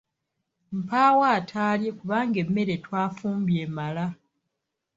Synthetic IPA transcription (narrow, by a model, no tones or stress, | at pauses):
m̩paːwaːtʰaːlje̞kuβaːŋɡe̞mːe̞ɾe̞twaːfuːmbje̞mala